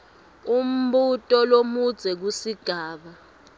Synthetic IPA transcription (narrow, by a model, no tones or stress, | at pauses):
um̩ɓutʼɔlomud̥z̥ʱɛk̬usiɡ̥ʱaːɓa